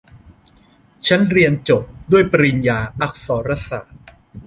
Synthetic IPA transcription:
t͡ɕʰa˦˥nɾi˧ənt͡ɕo˨˩p̚du˥˩əjpa˧ɾi˧njaː˧ʔa˦˩k̚sɔː˩˦ɾa˦˥sa̰ː˨˩˦t̪̚

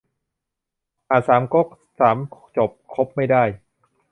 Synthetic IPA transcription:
ʔaː˨˩saː˩˦mko˦˥˩k̚ | saː˩˦mt͡ɕo˨˩p̚kʰo˦˥p̚ma˥˩jdaː˥˩j

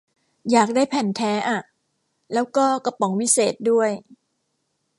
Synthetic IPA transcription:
jaː˨˩k̚daː˥˩jpʰɛ˨˩nt̪ʰɛː˦˥ʔa˨˩ | lɛː˦˥wkɔː˥˩ka˧pɔ˩˦ŋwi˦˥seː˨˩t̪̚du˥˩əj

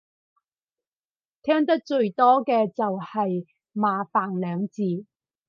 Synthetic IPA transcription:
t̪ʰɛː˥ŋt̪ɐ˥k̚t͡ʃɵ˧ɥt̪ɔː˥kɛː˧t͡sɐ˨whɐ˨j | maː˨˧faː˨nlœː˨˧ŋt͡siː˨˧

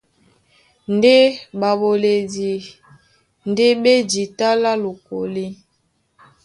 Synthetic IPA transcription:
n˨de˦ba˨bo˨le˨di˨ | nde˦be˦d͡ʒi˨ta˦la˦lo˨ko˨li˦

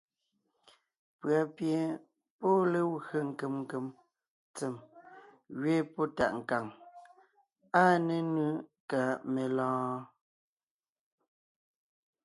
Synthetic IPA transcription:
pɰa˨pje˨ | pɔ˦le˨wɣə˨ŋ̩˨ke˨mŋ˨ke˨m | t͡se˨m | ɣɥe˦pɔ˦ta̰˨ʔŋ̩˨ka˨ŋ | a˦ne˨nɯ˦ka˨me˨lɔ̃ː˦

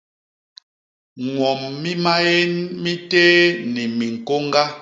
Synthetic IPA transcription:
ŋwɔ˨mːi˦ma˦je˦nmi˦teː˦ni˨mi˨ŋ̩˨ko˦ŋ˦ɡa˦

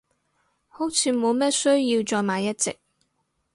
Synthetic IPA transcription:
ho˨˥wt͡sʰiː˧mo˨˧wmɛː˥sɵ˥ɥjiː˧wt͡ʃɔː˧jmaː˨˧jːɐ˥t̚t͡sɪ̰˨k̚

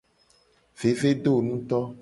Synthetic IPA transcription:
ve˨ve˦ɖo˦˨nũ˦t̪ɔ˦

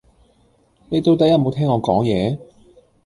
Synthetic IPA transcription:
ne˨˧jt̪o˧wt̪ɐ˨˥jɐ˥t̚mo˨˧wt̪ʰɛː˥ŋɔː˨˧kɔ̰ː˨˥ŋjɛː˨˧

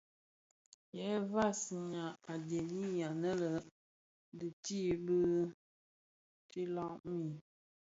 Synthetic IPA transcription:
jɛ˨˦va˦˨sɲa˨a˨de˨ni˦ja˨nə˦lə˨ | dɨ˨ti˦bə˦ | t͡ʃi˦la˦˨ʔmi˦˨

